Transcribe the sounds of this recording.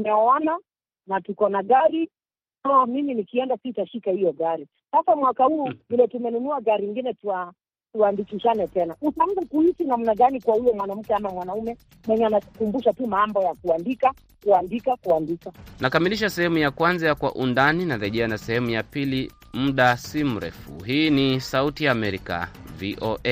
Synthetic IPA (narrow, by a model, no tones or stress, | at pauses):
naɔɔna | natukɔnaɠaɾi | naɔmiminikiɛndasitaʃikahijɔɠaɾi | sasamwakahuːvilɔtumɛnunuaɡaɾiŋɡinɛtua | tuandikiʃanɛtɛnaʔutaŋzakuisinamnaɠanikwahujɔmwanam̩kɛamamwanaumɛ | mwɛɲɛanakukumbuʃatumaambɔjakuandika | kuandikakuandikanakamiliʃ̬asɛhɛmujakwanzajakwa̰ʔundaninaɾɛʄɛanasɛhɛmujapili | m̩ɗasim̩ɾɛ̰fṵhiːnisautijaːmɛɾika̰viʔɔʔɛ